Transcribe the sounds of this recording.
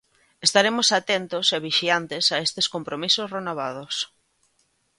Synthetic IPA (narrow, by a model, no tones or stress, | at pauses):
est̪aɾemosat̪ent̪oseβiʃiant̪esaest̪eskompɾomisosrenoβ̞að̞os